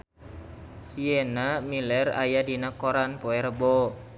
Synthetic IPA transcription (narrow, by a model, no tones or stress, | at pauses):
sienamilɛra̰jadinakoɾanpoɛɾəbo